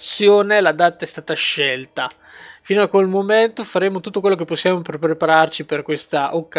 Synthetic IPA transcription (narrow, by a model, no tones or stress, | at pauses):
sːjoːnelad̪at̪aɛst̪aːt̪aʃɛlt̪a | fiːnoakːwelmoment̪ofaɾeːmot̪ut̪ːokwelːok̬epːosːjaːmoppɾepaɾart͡ʃiperkwest̪aʔokːa